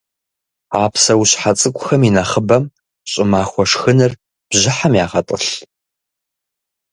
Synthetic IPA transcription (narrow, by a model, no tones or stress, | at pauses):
aːpsɐwuɕħat͡sʼɨkʷʼʊxɐminɐχəbɐm | ɕʼɪmaːxʷɔʂxɨnɨr | b̥ʑɪħamjaːʁɐtʼɨɬ